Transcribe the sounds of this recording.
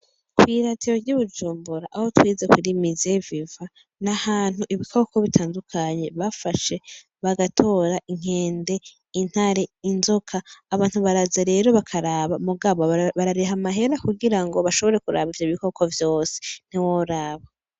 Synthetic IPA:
kwiɾatʰiɾoɾɟuβud͡ʒuːmbuɾaʔaho̞twiːzekwiɾimizeviva | nahaːn̥huʔiβikʰo̞ko̞βitʰaːndukʰaɲe̞βafaʃe̞ | βaɡatʰo̞ɾaʔiŋ̥e̞ːnde̞ | in̥haɾe̞inzo̞kʰaːβaːn̥huβaɾazaɾe̞ɾo̞βakʰaɾaːβamuɡaβo̞βaɾaɾeɦamaɦe̞ɾakuɡiɾaŋɡo̞βaʃo̞βo̞ɾe̞kuɾa̰βivjo̞βiko̞kʰo̞vjo̞ːse̥n̥iwoɾaːβa

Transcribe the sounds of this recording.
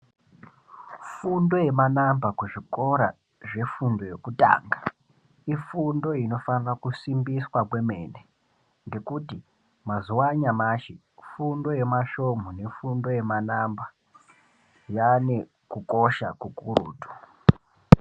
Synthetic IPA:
fundo̞je̞manambakuʐiko̞ɾa | ʐe̞fundo̞je̞kuta̰ːŋɡa | ifundo̞ino̞fanirakusimbiswakwe̞me̞ːne | ŋɡe̞kuti | mazuwaɲamaʃe | fundo̞je̞maʃo̞mone̞fundo̞je̞manamba | jane̞ | kuko̞ʃakukuɾṵːtu̥

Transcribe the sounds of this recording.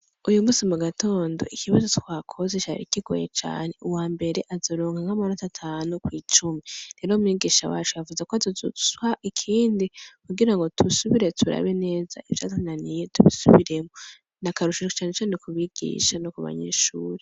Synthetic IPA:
ujumuːsimuɡatʰo̞ːndo̞̰ʔikʰiβazo̞twaːkʰo̞zet͡ʃaɾḭkiɡo̰jḛt͡ʃa̰ːne̞uwaːmbe̞ɾe̞ʔazoɾoːŋɡaŋhamanatatʰaːnukwiːt͡ʃumiɾe̞ːɾomiːɡiːʃawaːt͡ʃujavuzekoazozṵswaʔikʰiːndikuɡiɾaŋɡo̞tʰusuβiɾe̞tʰuɾa̰βe̞ne̞ːza̰ʔivjaːtananijetuβḭsuβiɾe̞mo | nakaɾuʃit͡ʃaːnet͡ʃaːne̞kuβiɡ̥ḭːʃanokuβa̰ɲḛːʃuːɾe

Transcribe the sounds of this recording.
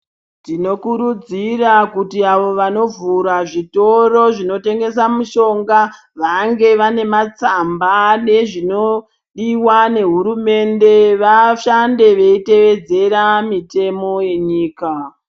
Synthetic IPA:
tino̞kuɾud͡zirakutiaʋo̞ʋano̞vuɾaʐito̞ro̞ʐino̞te̞ŋɡe̞samuʃo̞ŋɡa | ʋaŋɡe̞ʋane̞mat͡sambane̞ʐino̞ | ɗiwane̞ɦuɾume̞nde̞ʋaʃande̞ʋe̞ite̞ʋe̞d͡ze̞ɾamite̞mo̞je̞ɲiːka

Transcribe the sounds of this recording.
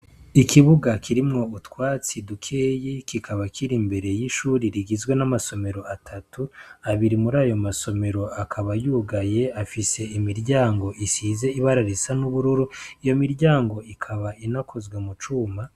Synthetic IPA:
ikʰiβuɡakʰiɾimŋo̞utwaːt͡sidukʰejikikʰaβakʰiɾimbe̞ɾe̞jiʃuːɾiɾiɡizɡwe̞namaso̞me̞ɾo̞atʰatuaβiɾimuɾaːjo̞maso̞me̞ɾo̞akʰaβajuːɡaje̞afise̞imiɾɟaːŋɡo̞ʔisiːze̞iβaɾaɾisanuβuɾuɾuijo̞miɾɟaːŋɡo̞ikʰaβaʔinakʰo̞zɡwemut͡ʃuːma

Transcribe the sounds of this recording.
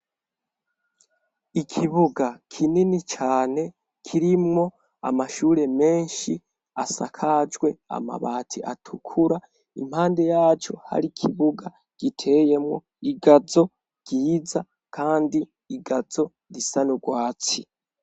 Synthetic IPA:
ikʰiβuɡakʰininit͡ʃaːne̞ | kʰiɾimŋo̞ | a̰maʃuːɾe̞me̞ːnʃi | asa̰kʰad͡ʒɡwe̞a̰ma̰βaːtʰiʔatʰukʰuɾa | ḭm̥haːnde̞jaːt͡ʃo̞̰ha̰ɾikʰiβuɡa | ɡ̥itʰe̞je̞mwo̞̰ | iɡazo̞ | ɡ̥iːza | kʰaːndiː | ɡazo̞ | ɾisanuɡwaːt͡si

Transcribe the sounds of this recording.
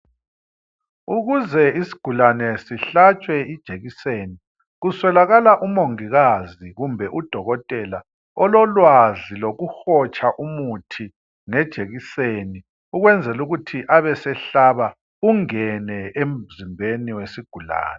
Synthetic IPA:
uɣuzɛisi̥ɡ̥ʱulanɛsiɬat͡ʃʼwɛid̥ʒ̥ʱeɣiseːni | ɣuswɛlaɣalaʔumoŋiɣaziɣumbʱɛʔud̥ʱɔɣɔtʼɛla | ɔlɔlwaziloɣuxɔt͡ʃʼaʔumutʰi | ŋɛd̥ʒ̥ʱeɣiseni | uɣwɛnd͡zʱɛluɣutʰiʔaβɛsɛɬaβa | uŋɛnɛem̩zimbʱeniwesiɡ̥ʱula̰ːnɛ

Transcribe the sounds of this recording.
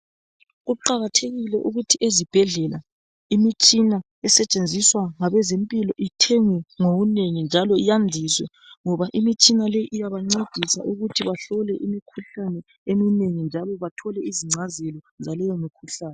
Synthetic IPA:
ɣuǃaɣatʰeɣilɛʔuɣutʰiezib̥ʱɛɮɛla | imit͡ʃʼina | ɛsɛt͡ʃʼend͡zʱiswaŋaβɛzempʼilɔʔitʰɛŋɛŋoɣuneŋind͡ʒʱalɔijandʱiswɛ | ŋɔβaʔimit͡ʃʼinalejiʔijaβaŋ͡ǀed̥ʱisa̰ʔuɣutʰiβaɬɔlɛʔimikʰuɬanɛ | emineŋind͡ʒʱalɔβatʰɔlɛiziŋ͡ǀʱazɛlɔ | zalɛjomikʰuɬaːnɛ

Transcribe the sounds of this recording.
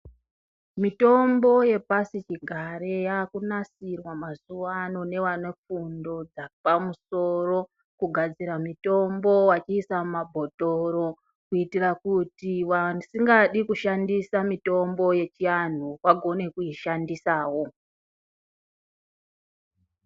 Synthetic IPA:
mito̞mbo̞je̞pasit͡ʃiɡʱaɾe̞jaːkunasirwamazuʋano̞ne̞ʋanefundo̞d͡zapamuso̞ro̞ | kuɡʱad͡ziɾamito̞mbo̞wat͡ʃiːsamabʱo̞toɾo̞ | kuitirakutiwansiŋɡaɗikuʃandisamito̞mbo̞je̞t͡ʃian̤uwaɡʱo̞ne̞kujiʃandisaːwo̞

